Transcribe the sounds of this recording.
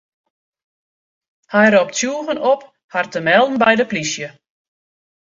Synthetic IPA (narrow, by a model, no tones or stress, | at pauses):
hɛjrɔp̚tsjuəɣənɔp | hartəmɛlˠdn̩bɛjdəplisjə